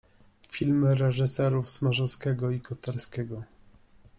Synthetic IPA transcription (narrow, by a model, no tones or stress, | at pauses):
fʲilmɘɾɛʐɘsɛɾufsmaʐɔskʲɛɡɔikɔt̪aɾskʲɛɡɔ